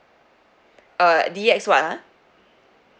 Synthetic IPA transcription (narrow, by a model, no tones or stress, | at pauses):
ədiɛkswaʔla